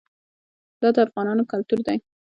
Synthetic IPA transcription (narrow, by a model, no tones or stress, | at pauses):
d̪̥ɑd̪əafɣɑnɑnokalt̪uɾd̪aj